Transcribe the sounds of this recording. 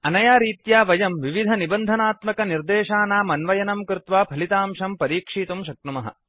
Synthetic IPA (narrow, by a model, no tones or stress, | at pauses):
ɐnɐjaːɾiːt̪jaːʋɐjɐmʋiʋid̪ʱɐnibɐnd̪ʱɐnaːt̪mɐkɐniɾd̪eːʃaːnaːmɐnʋɐjɐnɐmkɾɪt̪ʋaːpʰɐlit̪aːmʃɐmpɐɾiːkʂiːt̪umʃɐk̚ʈumɐɦɐ̰